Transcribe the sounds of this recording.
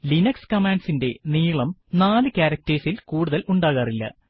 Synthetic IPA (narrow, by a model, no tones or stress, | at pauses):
linɐkskɐmaːɳɖsinde̞niːɭɐmnaːlɨkʲaːɾɐk̚tɐɾsilkuːɽuðɐlʔuɳɖaːɣaːrilːɐ̰